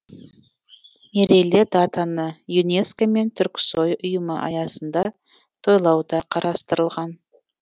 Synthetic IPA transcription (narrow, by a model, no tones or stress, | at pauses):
eɾelʲed̪at̪anəjune̞skome̞nt̪ʰʏɾkʲsojʊjəməʔɑ̰jɑsənd̪ɑ | t̪ʰo̞jlˠɑwd̪ɑqʰɑɾɑst̪əɾəlˠʁɑn